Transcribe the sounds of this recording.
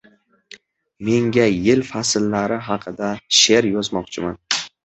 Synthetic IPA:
me̞ŋɡʲajɪlfasɪlːaɾɪɦɑqʰɨd̪aʃe̞ɾjɒzmɒqt͡ʃʰɪman

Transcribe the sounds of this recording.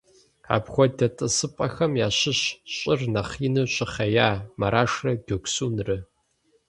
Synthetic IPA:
a̰ːbxʷɔdɐtʼɨsɨpʼɐxɐmjaːɕɪɕɕʼɪrnɐχiːnɨɕʼɪχɐjaːmɐɾaːʂrɐɡɐkʷsuːnrɨ

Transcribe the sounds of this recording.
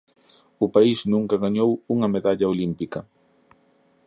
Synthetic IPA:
ʊpajsnʊŋkakaɲawʊŋamed̪aʎaolɪmpɪka

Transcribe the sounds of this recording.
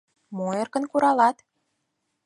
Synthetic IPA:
moerkə̆nkuɾɑlɑt̪

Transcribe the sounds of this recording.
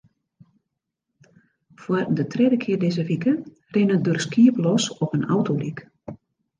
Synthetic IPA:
fwərdətʰredəkʰɪərdɪzəʋikə | rɪnədørskiəplɔsɔpənʔa̰wtʰolik

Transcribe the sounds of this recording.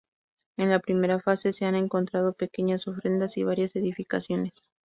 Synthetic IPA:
e̞nlapɾime̞ɾafase̞se̞ane̞ŋko̞nt̪ɾað̞o̞pe̞ke̞ɲaso̞fɾe̞nd̪asiβaɾjase̞ðifika̰sjo̞ne̞s

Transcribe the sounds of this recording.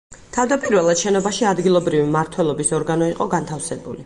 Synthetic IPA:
t̪ʰavd̪apʼiɾvɛlˠad̪̥ʃɛnɔbaʃiad̪ɡilˠɔbɾivimaɾt̪ʰwɛlˠɔbisɔɾɡanɔiqʼɔɡant̪ʰafsɛbṵli

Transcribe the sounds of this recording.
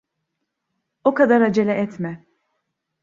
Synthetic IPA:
okad̪aɾad͡ʒelʲɛɛt̪mɛ

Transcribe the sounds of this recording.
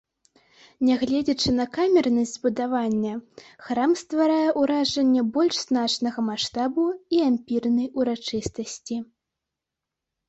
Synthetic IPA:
nʲɛɣlʲɛd͡zʲɐt͡ʂɨn̪ɐkamʲɛrnɐzʲd͡zʲzʲbud̪avanʲːɐxɾamst̪vaɾajɛʔuɾaʐɛnʲːɛbɔlʲʂz̥nat͡ʂnɐɣɐmaʂt̪abuiamʲpʲirnɐjuɾat͡ʂɨst̪ɐsʲt͡sʲi

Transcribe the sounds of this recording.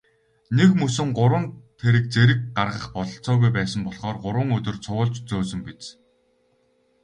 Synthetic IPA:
nekmɵsɵ̆ŋɢʊɾwə̆nt̪ʰeɾɘ̆k̚t͡seɾɘ̆k̚ɢarʁə̆χpɔɮɞ̆ɬt͡sɔːɣujpæːsə̆mpɔɮχɔːrɢʊɾwə̆ːŋɵt̪ɵ̆rt͡sʰʊwʊːɮt͡ɕt͡soːsɵ̆mpet͡s

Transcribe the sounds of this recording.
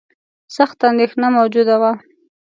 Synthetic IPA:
saxt̪and̪exnamawd͡ʒud̪awa

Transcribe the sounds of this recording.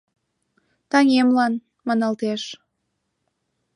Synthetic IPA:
t̪ɑŋemlɑn | mɑnɑlt̪eʃ

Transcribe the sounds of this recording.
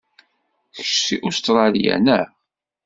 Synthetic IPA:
θə̥çsiʔʊst̪ɾˤɑlijæ̰næ

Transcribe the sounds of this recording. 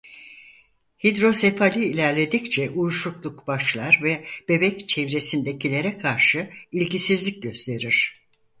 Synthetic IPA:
hid̪ɾo̞se̞falʲiːlʲæɾlʲe̞d̪ict͡ʃʰɛʔujuʃuklˠukbaʃlˠaɾvɛbe̞bɛct͡ʃʰevɾe̞sind̪ecʰilʲe̞ɾɛkʰaɾʃɯilʲɟisizlʲic̚ɟø̞st̪ʰe̞ɾiɾ̥

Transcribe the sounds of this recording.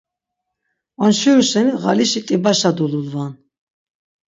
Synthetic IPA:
ɔnʃuɾuʃɛniʁa̰liʃit̪ʼibaʃad̪ululvan

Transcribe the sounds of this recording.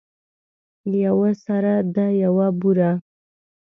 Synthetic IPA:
jawasaɾad̪ajawabuɾa

